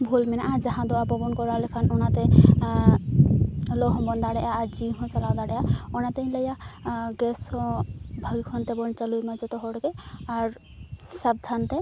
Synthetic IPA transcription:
bʱulmɛnaʔad͡ʒaɦãd̪ɔapɔbɔnkɔɾaɦlekʰanɔnat̪ɛ | lɔɦɔ̃bɔnd̪aɽɛjaːɾd͡ʒiɦɔ̃t͡ʃalad̪aɽɛjaɔnat̪eĩləjaɡɛshɔ̃bʱəɡikʰɔnt̪ɛbɔnt͡ʃəlujmad͡ʒɔt̪ɔɦɔɽkeaɾ | sab̚d̪ʱant̪ɛ

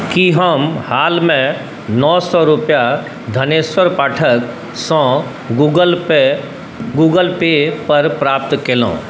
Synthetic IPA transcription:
kiɦəmhaːlmẽ | nɔːsɔɾʊpja | d̪ʱɐneːswəɾpaːʈʰək | sɔ̃ | uɡə | ɡuːɡəlpepɐɾpɾaːp̚t̪keːlõ̰ː

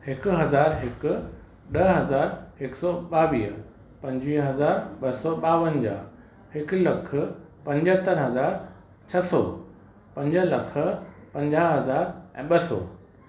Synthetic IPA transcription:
hɪkʊ̆ɦɐzaːɾɦɪkʊ̆ | ɗɐɦɐzaːɾɦɪksɔːɓaːʋiː | pɐ̃ɲd͡ʑʋiːɦɐzaːɾɓɐsɔːɓaːʋənd͡ʑaː | hɪklɐkʰə̆ | pɐ̃ɲd͡ʑət̪əɾɦɐzaːɾ | t͡ɕʰɐsɔ̰ː | pɐ̃ɲd͡ʑəlɐkʰə̆pɐ̃ɲd͡ʑaːɦɐzaːɾɛ̃ːɓɐsɔ̰ː

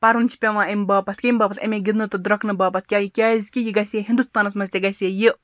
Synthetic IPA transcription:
pɐɾunʲt͡ʃʰi̥pʲɐʋãːemʲbɐːpɐskʲemʲbɐːpɐt̪ʲɐ̰mʲẽɡid̪nɨt̪ɨd̪ɾɐknɨbɐːpɐt̪ʰkʲajikʲaːzʲkʲijiɡɐsʲeɦind̪ust̪aːnɐsmɐsʲt̪ʲeɡɐsʲeːji

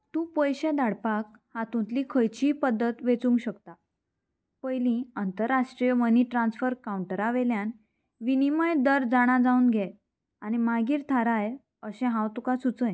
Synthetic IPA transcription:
t̪ũpəjɕẽd̪aɽpak | hat̪ũnt̪likʰəjt͡ɕiːpəd̪ːət̪ʋet͡sũŋɡɕəkt̪a | pəjlĩənt̪əɾːaʂʈɾijməniʈɾãnsfəɾkauɳʈəɾaʋeljan | ʋiniməjd̪əɾd͡zaɽ̃ad͡zaũːnɡʱɛ | añimaɡiːɾt̪ʰaɾaj | əɕɛ̃ɦãwt̪ukasut͡səj

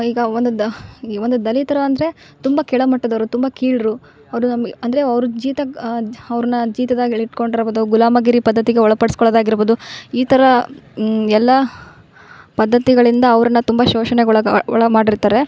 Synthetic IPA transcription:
iːɡɐond̪uʋond̪ud̪ɐlit̪ɐɾɐːnd̪ɐɾe̞ | t̪umbɐkɛɭɐmɐʈːɐd̪ɐʋɐɾut̪umbɐkiːɭɾu | ɐʋɐɾunɐmɐnd̪ɐɾe̞ɐʋɾud͡ʒiːt̪ɐɐʋɾɐnːɐd͡ʒiːt̪ɐd̪aːɡiiʈkoɳɖiɾboːd̪uɡulaːmɐɡiɾipɐd̪ːɐt̪iɡeɔɭɐpɐɽɐskɔɭɐd̪aːɡiɾboːd̪uiːt̪ʰɐɾɐ | ɛlːɐ | pɐd̪ːɐt̪iɡɐɭind̪ɐːʋɾɐnːɐt̪umbɐʃoːʃɐneɡɭɐɔɭɐɡmaːɖiɾt̪aːɾe̞

